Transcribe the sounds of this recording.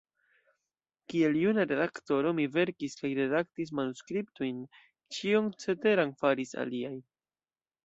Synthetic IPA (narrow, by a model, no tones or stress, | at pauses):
kie̞ljunaɾe̞dakto̞ɾo̞mive̞ɾkiskajɾe̞dak̚tis̬manuskɾip̚tojn | t͡ʃiont͡se̞te̞ɾaŋfaɾisa̰liaj